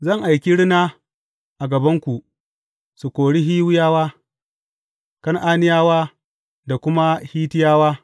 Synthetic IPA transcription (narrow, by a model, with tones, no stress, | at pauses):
zɐ˦˨ŋʔa˨jkʲi˦ɽɪ˦naː˦ | ʔa˨ɡɐ˨bɐ˦ŋkʷu˨ʔ | su˨kʷoː˨ɽi˦ɦiː˦wʊ˦jaː˦waː˦ | kɐ˦ŋʔaː˦nɪ˦jaː˦waː˦ | da˨kʷʊ˦ma˦hiː˦tɪ˦jaː˦waː˦